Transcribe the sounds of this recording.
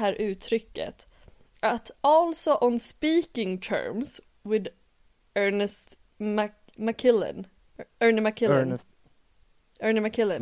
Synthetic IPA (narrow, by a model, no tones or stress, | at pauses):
ɦæːɾʔʉ̟ːt̪ʰɾʏkːə̰t̪ | ʔat̪ɔlsɔʔɔnspiːkɪ̃ŋt̪ʰɜ̰ːɹms | wɪd̪ | ɜːnəst̪ | makʰɪlə̰n | ɜːnɪmakʰɪə | ɜːnɪmækʰɪlən